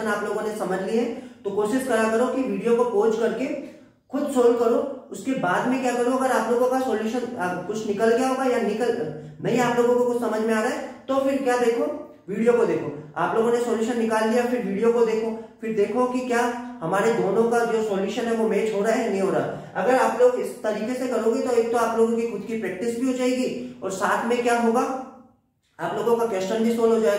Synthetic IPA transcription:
ənaːploːɡõnesɐməd͡ʒʱliɦɛ̃t̪okoːʃɪʃkɐɾakɐɾokiʋiːɖijokopoːt͡ʃkɐɾke | xʊd̪soːlkɐɾoʊskebaːd̪mẽkjaːkɐɾõɐɡəɾaːploːɡõkasoːljuːʃənːkʊt͡ʃʰnɪkəlɡɐjaɦoːɡajanɪkəlɡmɛ̃ːĩaːploːɡõkokʊt͡ʃʰsɐməd͡ʒʱmẽaːɾɐɦɛt̪ofɪɾkjaːd̪eːkʰoː | ʋiːɽijokod̪eːkʰo̰aːploːɡõnesoːljuːʃənːɪkaːld̪ijafɪɾʋiːɖijokod̪eːkʰofɪɾd̪eːkʰokikjaːhɐmaːɾed̪oːnõkad͡ʒoːsoːljuːʃənɦɛʋomeːt͡ʃɦoɾaaɦɛnɐɦĩɦoːɾaa̰ | ɐɡəɾaːploːɡɪst̪ɐɾiːkesekɐɾoːɡit̪oeːk̚t̪oaːploːɡõkixʊd̪kipɾɛːk̚ʈɪsbʱiɦoːd͡ʒaːeɡiɔ̰ːɾsaːt̪ʰmẽkjaːɦoːɡa | aːploːɡõkakʋeːst͡ʃənbʱisoːlɦoːd͡ʒaːe

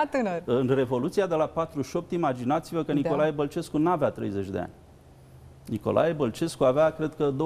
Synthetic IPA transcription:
t̪ɨnərɨnre̞vo̞lut̪siad̪e̞lapat̪ɾuʃo̞p̚t̪imad͡ʒinat̪sivəkəniko̞lajebəlt͡ʃe̞skunaːveat̪ɾejze̞t͡ʃʲd̪e̞̰a̰nʲ | niko̞̰lʔa̰jebəlt͡ʃe̞skuaveakɾe̞d̪̚kəd̪o

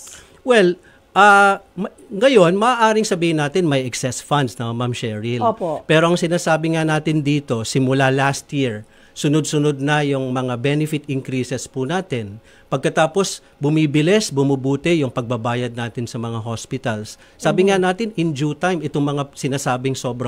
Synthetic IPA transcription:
wɛl | ʔɐmɐ | ŋɐjo̞nmɐʔaːʔaːɾɪŋsɐbiːhɪnːaːt̪ɪnmɐjɛksɛsfand̪snɐmamʃɛɹɪlopopɛːɾo̞ʔɐŋsɪnaːsaːbɪŋanaːt̪ɪnd̪iːt̪o̞sɪmʊlalast̪jiɹ | sʊnod̪̚sʊnod̪̚nɐjʊŋmɐŋabɛnɪfɪt̪ɪŋkɾisɛspunaːt̪ɪn | pɐɡ̚kɐt̪aːpo̞s | bʊmiːbɪlɛsbʊmʊbuːt̪ɛjʊŋpɐɡ̚bɐbaːjɐd̪̚naːt̪ɪnsɐmɐŋaɦo̞spɪt̪ɐlsː | aːbɪŋanaːt̪ɪnɪnd͡ʒut̪ajmɪt̪oŋmɐŋasɪnaːsaːbɪŋso̞ːbɾɐ

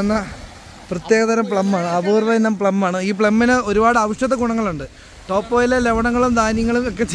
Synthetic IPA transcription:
ɐnːɐ | prɐt̪je̞ːɣɐðɐɾɐmpɭɐmːaːɳɨɐbuːrʋɐinːɐmpɭɐmːaːɳɨiːp̬ɭɐmːinɨo̞ɾubaːɽɨɐʋiʂɐðɐɡuɳɐŋːɐɭuɳɖɨ | ʈo̞ːpːoːjileleʋɐɳɐŋːɐɭumd̪aːnjɐŋːɐɭumokːet͡ɕ

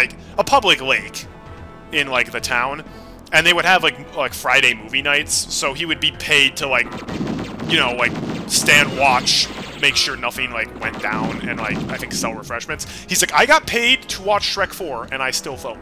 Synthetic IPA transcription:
laɪk | əpʰʌblɨkleɪk | ɪ̃nlaɪk̚ðɨtʰãʊ̃n | ɨ̃nðeɪwɨɾ̚ɨvlaɪk̚laɪkfɹaɪɾeɪmuvinaɪtsːoʊiwɨd̚bipʰeɪd̚tʰəlaɪk̚ | jɨñoʊlaɪkstæ̃nd̚wɑt͡ʃmeɪkʃʊɹnʌθɪ̃ŋlaɪkwɛ̃nd̥ã̰ʊ̃nɨ̰̃nla̰ɪkaɪθɪ̃ŋksɛlˠɹəfɹɛʃmɨ̃nts | hizlaɪkaɪɡɑt̚pʰeɪd̚tʰəwɑt͡ʃtɹɛkfə˞ɨ̃ñaɪstɪlˠfoʊ̃

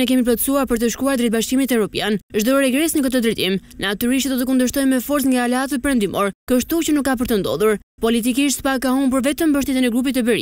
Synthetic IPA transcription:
ɛk̬ɛmiplat̪suaɾpəɾt̪əʃkuaɾd̪ɾɛt̪baʃkimit̪ɛvɾɔpjanʒd̪ɔɾɛɡɾɛsnəkət̪əd̪ɾɛjt̪imnat̪yɾiʃt̪d̪ɔt̪ək̬und̪əʃ̬t̪ɔjmɛfɔɾt͡sŋɡaːlɛat̪əpəɾɛnd̪imɔ̰ɾkəʃt̪ut͡ɕənukːap̬əɾt̪ənd̪ɔ̰ðuɾ | pɔlit̪ik̬iʃt̪spakaɦumbəɾvɛt̪əmbəʃ̬t̪ɛt̪inɛɡɾupit̪ːəbəɾḭ

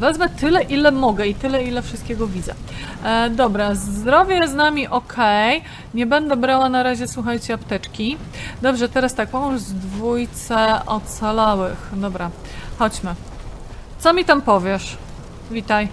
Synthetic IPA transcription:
vɛzvɛt̪ɘlɛʔilɛmɔɡɛit̪ɘlɛilɛfʂɨst̪̚kʲɛɡɔvʲid̪zɛ̰ | d̪ɔbɾazd̪ɾɔvʲjɛznamʲiʔɔkʰɛj | ɲɛbɛnd̪ɛbɾawanaɾaʑɛswuxajt͡ɕɛapt̪ɛt͡ʂkʲi | d̪ɔbʐɛt̪ɛɾast̪akɔ̃w̃zd̪vujt̪sɛɔt̪salawɘxd̪ɔbɾaxɔd͡ʑmɘ | t̪sɔmʲit̪ampɔvʲjɛʂ | vʲit̪aj

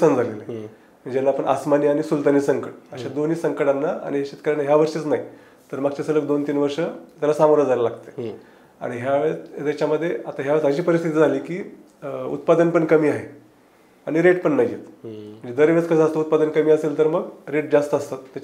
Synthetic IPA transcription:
sand͡zʱalele | əɳd͡ʑelːaːpəɳʔa̰smaniːaɽ̃isult̪aniːsəŋkəʈəɕad̪oniːsəŋkəʈanːaa̰ɽ̃iɦeɕet̪kəɾanːaɦjaʋəɾʂiːt͡snaɦi | t̪əɾmaɡ̚t͡ɕasələk̚d̪ont̪iːnʋəɾʂət̪alasamoɾad͡zʱajlalaɡ̚t̪e̥ | a̰ɽ̃iɦjaʋet̪jat͡ɕaməd̪ʱːjeat̪aɦjaʋət͡səɕiːpəɾist̪ʰit̪iːd͡zʱaliːkiː | ṵt̪pad̪ənpəɳkəmiːaɦe | aɽ̃iɾeʈpəɳːajḛt̪m̤əɳd͡zed̪əɾʋjat͡skəsaəst̪out̪̚pad̪ənkəmiːəselt̪əɾməɡɾeʈ̚d͡zast̪əːst̪at̪ːat͡ɕ

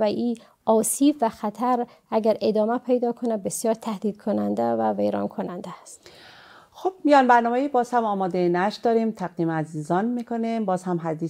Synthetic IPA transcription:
væʔiː | ɒːsiːbvæxæt̪ʰæɾ | æɟæɾed̪ɒːmæpʰejd̪ɒːkʰonæd̪̚besjɒːɾt̪ʰæhd̪iːd̪̥kʰonænd̪ævævejɾɒ̰ːnkʰonænd̪æst̪ | xob̥mijɒːnbæɾnɒːmeiːbɒːz̥hæmɒːmɒːd̪enæʃd̪ɒːɾimt̪ʰæɡ̚d̪iːmæziːzɒːnmiːkʰonimbɒːzhæmɦæd̪iː

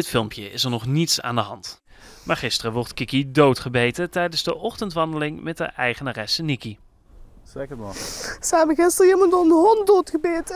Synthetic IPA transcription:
ɪtfɪlˠmpjəɪsɛɹnɔχnitsa̰ːndəɦɑnt | maːɹχɪstərəʋɔɹtkɪkidowtχəbejtətɛjdənzdəʔɔχtəntʋɑndəlɪŋmɛt̚də̰ʔɛjχənaːrɛsəniki | sekəsanʋəɣɪstəriməntɔnəɦɔndotxəbeːtə

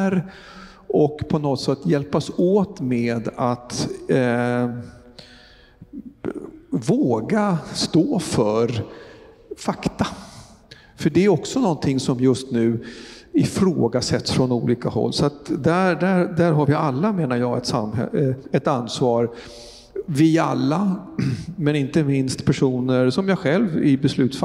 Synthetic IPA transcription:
ɾ | ʔɔkpʰɔnɔt̪sɛt̪ːjɛlpasoːt̪meːd̪at̪ | voːɡast̪oːfœɾ | fakt̪a | fœəɖɛæɾɔksɔnɔnt̪ʰɪŋːsɔmjɵst̪nʉ̟ːɪfɾoːɡasɛt̪ːsfɾɔnuːliːkahɔ̰lːsɔat̪d̪æɖæɾd̪æɾɦaɾvɪalːameːnaɾjɑːɡɛt̪samɛ̰ɛt̪ansvɑːɾ | vɪalːa | mɛnɪnt̪əmɪnst̪pʰæʂuːnəɾsɔmjaɧɛlvɪ̰bɛslʉ̟ːt̪sfa

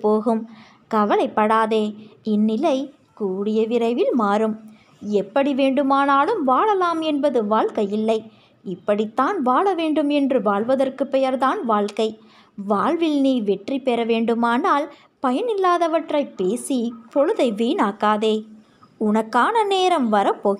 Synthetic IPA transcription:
pːoːɣɯm | kɐʋɐlɐɪpːɐɽaːðeːɪnːɪlɐɪ | kuːɽɪjɐʋɪɾɐɪʋɪlmaːɾɯm | ɛpːɐɽiʋeːɳɖɯmaːnaːlɯmʋaːɭɐlaːmɛnbɐðɯʋaːɭkɐjɪlːɐɪ | ɪpːɐɽɪt̪ːaːnʋaːɭɐʋeːɳɖɯmɛndrɯʋaːɭʋɐðɐrkɯpːɛjɐɾðaːnʋaːɭkɐɪ | ʋaːɭʋɪlniːʋɛʈripɛɾɐʋeːɳɖɯmaːnaːl | pɐjɐnɪlːaːðɐʋɐʈrɐɪpːeːsipɔɻɯðɐɪʋiːnaːkːaːðeː | ʊnɐkːaːnɐneːɾɐmʋɐɾɐpːoːɣ

